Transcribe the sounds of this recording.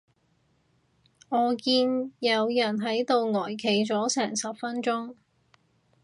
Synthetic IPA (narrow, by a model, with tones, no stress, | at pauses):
ŋɔː˨˧kiː˧njɐ˨˧wjɐ˨˩nɦɐ˨˥jt̪o˨˧wŋɔː˨˩jkʰe˨˩jt͡sɔː˨˥sɛː˨˩ŋsɐ˨p̚fɐ˥nt͡sʊ˥ŋ